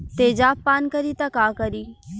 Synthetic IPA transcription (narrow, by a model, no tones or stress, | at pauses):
t̪eːd͡ʒaːpːaːnkəɾiːt̪ɐkaːkəɾiː